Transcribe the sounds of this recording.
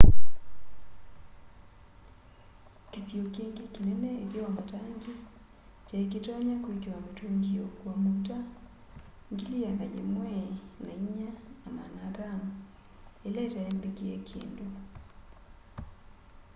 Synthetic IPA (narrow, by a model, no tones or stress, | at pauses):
kisiokeŋɡikinɛnɛeɾjɔmataŋɡi | t͡ʃaek̬itɔɲakwikwametoŋɡiokwamota | ŋɡilianajḛmwɛnaiɲaamanaɾan | elɛtaɛmbekiekʰḛːndo